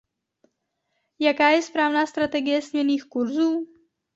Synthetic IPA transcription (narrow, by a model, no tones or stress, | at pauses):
jakaːjɛspɾaːvnaːst̪ɾat̪ɛɡɪjɛsɲɛniːxkuɾzuː